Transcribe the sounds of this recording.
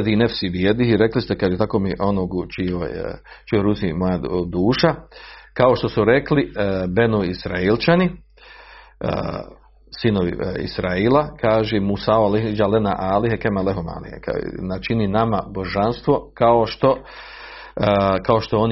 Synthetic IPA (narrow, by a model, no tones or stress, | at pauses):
d̪inefsibjed̪ihiɾeklist̪ekaʒet̪akomiʔo̞noɡt͡ʃio̰j | t͡ʃijoɾusimojad̪uːʃakao̞ʃt̪o̞suɾe̞klibe̞nuisɾailt͡ʃani | sinoʋḭḭsɾaiːlakaːʒemusaoaleɦid͡ʒalena̰ʔaːliɦekemaleɦoma̰ːlḭhḛknat͡ʃininamabo̞ʒanst̪ʋo̞kaoʃt̪o̞ | kao̞ʃt̪o̞on